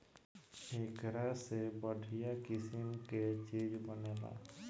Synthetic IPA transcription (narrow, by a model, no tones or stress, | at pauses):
eːkɾasebəɖʱijakɪsɪmket͡ʃiːd͡ʒbəneːla̰ː